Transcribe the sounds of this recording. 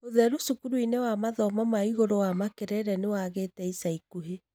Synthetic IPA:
oðɛɾosukuɾuinewamaðɔmamaiɣoɾowamakeɾɛɾɛnewaɣeːtɛisaikuɦe

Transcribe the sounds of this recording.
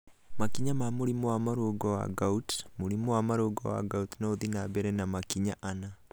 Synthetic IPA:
makiɲamamoɾimowamaɾoɡɔwa̰ɡautmoɾimowamaɾoɡɔ̰wa̰ɡautnoðinabɛɾɛnamakiɲaʔana

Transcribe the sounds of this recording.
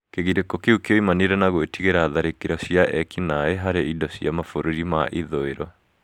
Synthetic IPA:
keɣiɾekokeukeoimaneɾɛnaɣoetiɣeɾaːðaɾekeɾɔsiaʔɛkinaeɦaɾeidɔsiamafoɾoɾimaʔiðoeɾɔ

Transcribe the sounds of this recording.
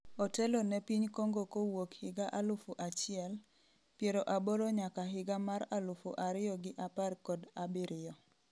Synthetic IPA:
ɔtɛlonɛpiɲkoŋɡokowokhɪɡaʔalʊfuʔat͡ʃɪɛl | pjeɾoʔaboɾoɲakaɦɪɡamaɾalʊfṵʔaɾɪɔɡɪʔaparkɔdabɪɾɪjɔ

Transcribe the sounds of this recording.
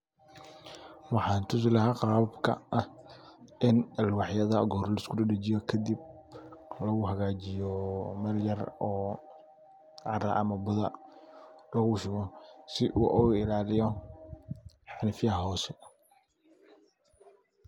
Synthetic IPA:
wɑħɑːnt̪ʰʊs̬lɐɦaːqɑːbkʰɐ̰ʔɐ | ʔɪnɐlwɑħjɐðɐɡɔɾlɛskʰʊdɐɖɐt͡ʃɪjɔkʰɐd̪ib̚ | lɐɣʊɦɐɣaːt͡ʃɪjɔmɐrjɐrɔː | ʕɑɾɐʔɐmɐbʊðɐ | lɐɣʊʃʊɣɔsɪʔuʔɔwɪlaːlɪjɔ | ħɑnɪfjɐɦɐɦɔːsɛ

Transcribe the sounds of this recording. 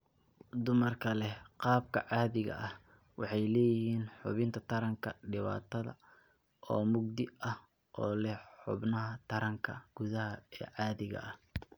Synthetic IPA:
d̪ʊmɐrkʰɐlɛqɑːb̚kʰɐ̰ʕɑːðɪɣɐ̰ʔɐh | wɑħɑjlɛːjɪhiːnħʊ̰βɪnt̪ʰɐt̪ʰɐɾɐŋkʰɐɖɪβa̰ːt̪ʰɐðɐ̰ | ʔɔːmʊɡ̚d̪ɪɐh | ʔɔːlɛħʊ̰bnɐɦɐt̪ʰɐɾɐŋkʰɐ̰ɡ̥ʊðɐɦɐɛ̰ːʕɑːðɪɣɐ̰ʔɐh

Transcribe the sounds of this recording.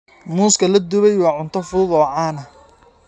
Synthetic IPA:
muːskʰɐlɐd̪ʊβɛjwɑːʕʊnt̪ʰɐfʊðʊðɔːʕaːnɐ

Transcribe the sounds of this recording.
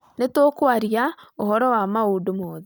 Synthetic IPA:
netokwaɾiaohɔɾɔwamauːdomɔːðe

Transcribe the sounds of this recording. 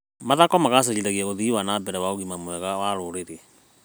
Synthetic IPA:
maðakɔmaɣas̬eɣiɾaɣiaɣoðiwanaːbɛɾɛwaoɣimamwɛɣawaɾoɾeɾe

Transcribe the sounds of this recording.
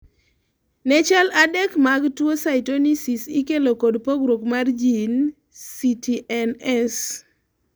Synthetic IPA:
nɛt͡ʃaladɛkmaɡtwosaɪtonisisikelokodpoɡɾokmard͡ʒin | sitiʔɛnɛs

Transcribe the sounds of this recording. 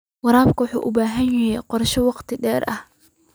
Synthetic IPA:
wɑɾaːbkʰɐwʊħuːʔʊbaːɦɐnjɐɦɛjqɔrʃɔwɑqt̪ʰɪɖɛːrʔɐh

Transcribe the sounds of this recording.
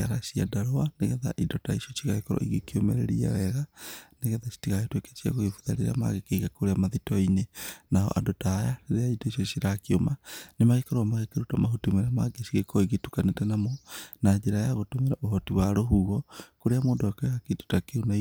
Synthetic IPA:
aɾasia̰daɾoaneɣɛða̰ʔidɔtaisjɔt͡ʃiɣaɣekɔɾɔ̰ʔiɣekiomeɾeɾia̰wɛɣaneɣɛðasi̥tiɣaetweke̥t͡ʃia̰ɣoɣefuðaɾeɾa̰ma̰ɣekeiɣakoɾeamaðitɔinenaɦɔ̰ʔa̰dɔtaːjaɾeɾeaidoisjɔsiɾakiomanemaɣekɔɾɔamaɣekeɾutamaɦotumeɾama̰ɡesiɣekɔiɣetukanetɛnamɔnad͡ʒeɾajaɣotumeɾaʔoɦɔtiwaɾoɦuɣɔkoɾeamoːdɔɛkɔaketu̥takeuna

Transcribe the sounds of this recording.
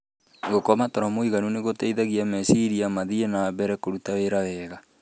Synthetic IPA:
ɡokɔmatɔɾɔmoiɣanuneɣotɛiðaɣiamɛsiɾiamaðienaːβɛɾɛkoɾutaweɾawɛːɣa

